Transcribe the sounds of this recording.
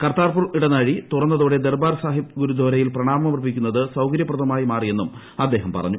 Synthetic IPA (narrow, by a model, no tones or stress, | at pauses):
kɐrt̪aːrpuriɽɐnaɻit̪urɐnːɐðoːɽe̞d̪erbaːɾsaːɦipɡuɾud̪ʱoɾɐjilprɐɳaːmɐmɐrbʱikʲːunːɐðɨsɐwkɐɾjɐpːrɐt̪ʰɐmaːjimaːrije̞nːum | ɐd̪ːe̞ːɦɐmpɐ̰rɐ̰ɲːu